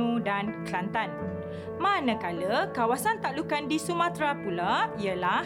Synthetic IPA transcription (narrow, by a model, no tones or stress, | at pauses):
ũdanklant̪an | mãnə̃kaləkawasant̪aʔlukandisumãt̪ɾapulaiəla